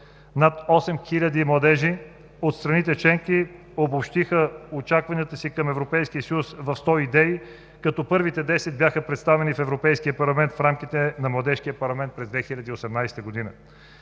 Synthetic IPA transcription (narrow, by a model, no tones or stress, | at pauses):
nat̪ɔsɛmxilʲəd̪imlˠɐd̪ɛʒi | ot̪st̪ɾɐnit̪ɛt͡ʃɛŋki | obopʃt̪ixəot͡ʃakvɐniət̪əsikɐmɛvɾopɛjskiəsəjusvɐfst̪ɔid̪ɛi | kɐt̪ɔpɤɾvit̪ɛd̪ɛsɛt̪̚bjaxəpɾɛt̪st̪avɛnifɛvɾopɛjskiəpɐɾlˠɐmɛnt̪fɾamkit̪ɛnɐmlˠɐd̪ɛʃkijəpɐɾlˠɐmɛnt̪pɾɛzd̪vɛxilʲɐd̪iːosɛmnajsɛ̥t̪əɡod̪inə